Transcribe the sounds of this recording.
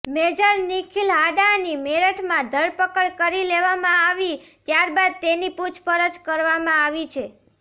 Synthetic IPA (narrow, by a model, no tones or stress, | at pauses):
med͡ʒəɾnikʰilɦaɖanimeɾəʈʰmãd̪ʱəɾpəkəɭkəɾileʋamãaʋit̪jaɾbad̪̚t̪eniput͡ʃʰpəɾəd͡ʒkəɾʋamãaʋit͡ʃʰe